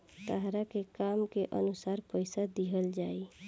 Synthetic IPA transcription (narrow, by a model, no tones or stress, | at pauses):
t̪əɦɾakekamkeʔə̰nusaɾpəjsad̪iɦəld͡ʒai